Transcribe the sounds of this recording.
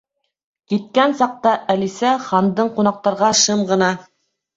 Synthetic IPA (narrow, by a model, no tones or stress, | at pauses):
kit̪̚kænsɑq̚t̪ɑʔælisæχɑnd̪ɤɴqun̪ɑq̚t̪ɑɾʁɑʃɤmʁɤ̆nɑ